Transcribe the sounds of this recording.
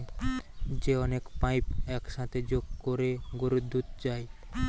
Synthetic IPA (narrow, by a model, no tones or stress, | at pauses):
d͡ʑeɔnekpajpɛkʃat̪ʰed͡ʑoɡkoɾeɡoɾud̪ʱːut̪d͡ʑaj